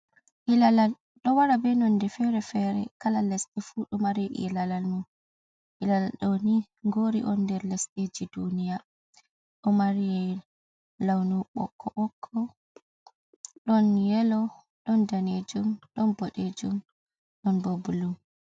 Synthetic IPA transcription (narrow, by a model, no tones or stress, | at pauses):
ʔilalal | ɗɔwaɾabɛnɔndɛfɛɾɛfɛɾɛ̰kalalɛsɗɛfuɗɔmaɾiɛʔḭɛlalalmun | ʔilalalɗɔni | ŋɡoɾḭʔɔnːdɛɾlɛsɗed͡ʒidunija | ɗɔmaɾijɛ | lawnuɓɔ̰kʰːɔʔɔkʰːɔ | ɗɔnjɛlɔ | ɗɔndaned͡ʒumɗɔnboɗed͡ʒum | ɗɔnbobulum